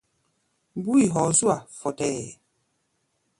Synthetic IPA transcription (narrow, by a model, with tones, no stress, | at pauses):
bu˦i˨ɦɔ˨˦zu˦a˨fɔ˨tɛ˨